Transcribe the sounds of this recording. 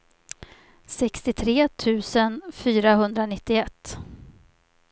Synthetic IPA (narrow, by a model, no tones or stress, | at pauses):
sɛkst̪ɪt̪ʰɾeːt̪ʰʉ̟ːsənfyːɾaɦɵnd̪ɾanɪt̪ːɪɛt̪ː